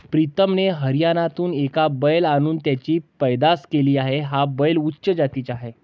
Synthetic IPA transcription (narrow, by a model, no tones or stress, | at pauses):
pɾit̪əmneɦəɾjanat̪uːnekabəjlañuːnt̪jat͡ɕiːpəjd̪askeliːaɦeɦabəjlutːɕəd͡ʑat̪it͡saɦe